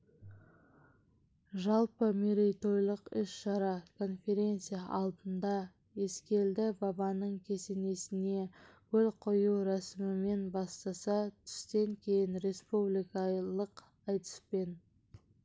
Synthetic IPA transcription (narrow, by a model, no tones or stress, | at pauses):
ʒɑlˠpəmeɾejt̪o̞jlˠəqʏsʃɑɾɑkʰo̞nfʲe̞ɾʲe̞nt̪sijaʔɑlˠd̪ənd̪ɑ | je̞skʲe̞ld̪ɪbɑbɑnəɴkʲʰe̞se̞ne̞sɪne̞kʲʰɵlqʰojuwɾæsɪmɪme̞nbɑst̪ɑsɑt̪ʰʏ̥st̪e̞ŋkʲʰe̞jɪnɾe̞spublijkɑlˠəq | ɑjt̪ə̥spe̞n